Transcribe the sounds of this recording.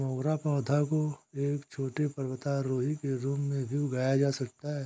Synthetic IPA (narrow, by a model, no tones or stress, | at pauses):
mɔːɡɾapɔ̃ːd̪ʱakoeːkt͡ʃʰoːʈepɐɾwət̪aɾoːɦikeɾuːmːẽbʱiɡaːjad͡ʒaːsɐk̚t̪aɦɛː